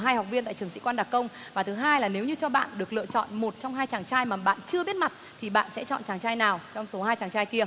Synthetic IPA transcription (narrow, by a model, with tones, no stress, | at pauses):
ɦaː˧jha˨˩wk͡p̚vi˧ənt̪a̰ː˧˨jt͡ɕɨ˨˩əŋsḭ˧˥kwaː˧nɗa˨˩kːə˧wŋ͡mvaː˨˩t̪ʰɨ˨˦ɦaː˧jlaː˨˩ne˨˦wɲɨ˧t͡ɕɔ˧ɓa̰ː˧˨nɗɨ˨˩ək̚lɨ̰˧˨t͡ɕɔ̰˧˨nmo˨˩t̚t͡ɕɔ˧wŋ͡mɦaː˧jt͡ɕaː˨˩ŋt͡ɕaː˧jmaː˨˩ɓa̰ː˧˨nt͡ɕɨ˧əɓi˦˥ət̚ma˨˩t̚t̪ʰi˨˩ɓa̰ː˧˨nsɛ̰˧˥t͡ɕɔ̰˧˨nt͡ɕaː˨˩ŋt͡ɕaː˧jnaː˨˩wt͡ɕɔ˧wŋ͡mso˨˦haː˧jt͡ɕaː˨˩ŋt͡ɕaː˧jki˧ə